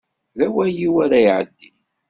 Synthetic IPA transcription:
ðæwæjiwæɾæjʕə̰d̪ːi

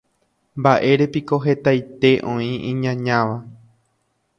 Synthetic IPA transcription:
mbaʔe̞ɾe̞piko̞ɦe̞t̪ajt̪e̞ʔõĩĩɲãɲãʋa

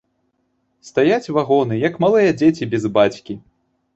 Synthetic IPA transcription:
st̪ajat͡sʲvaɣɔnɨjɐkmalˠɨjɐd͡zʲet͡sʲibʲɛzbat͡sʲkʲi

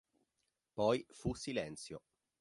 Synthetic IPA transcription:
pɔjfusːilɛnt̪sjo

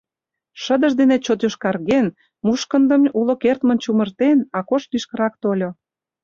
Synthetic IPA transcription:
ʃə̆d̪əʃd̪enet͡ɕot̪yʃkɑrɣen | muʃkə̆nd̪ə̆mulokert̪mə̆nt͡ɕumə̆rt̪enɑkoʃlyʃkə̆ɾɑk̚t̪olʲo

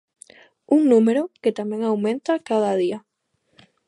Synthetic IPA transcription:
uŋnũmeɾoket̪amjẽŋawmẽnt̪akaðaðia

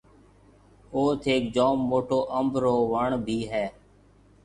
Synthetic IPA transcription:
oːt̪ʰeːkd͡ʒoːmːoːʈʰoːʔəmbʱɾoːʋəɳbʱiːɦɛː

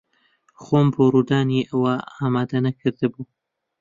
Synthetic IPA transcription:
xomboɾud̪ɑːneʔawaːmɑd̪anakəɾd̪abu

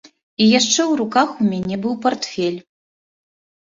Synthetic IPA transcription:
ijaʂt͡ʂɛwɾukaxumʲanʲɛbɨwpart̪fʲɛlʲ

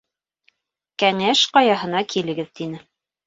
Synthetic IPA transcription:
kæŋæʃqɑjɑɦɤ̆nɑkʰilɘ̆ɡɘðt̪inɘ

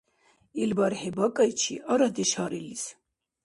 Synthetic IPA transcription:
ilbaɾhɛbakʼajt͡ʃʰḭʔaɾad̪ɛʃaɾilis

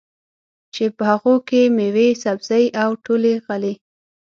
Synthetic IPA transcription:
t͡ʃepəhaɣokemewesabz̥əjʔawʈoleɣali

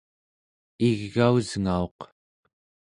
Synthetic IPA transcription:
iɣːauzŋao̞q

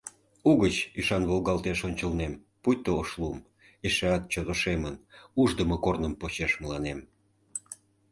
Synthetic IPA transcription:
uɣət͡ɕiʃɑnβolɣɑlt̪eʃonʲt͡ɕəlnem | pujt̪ooʃlum | iʃeɑt̪̚t͡ɕod̪oʃemənuʒd̪əməkornəmpot͡ɕeʃməlɑnem

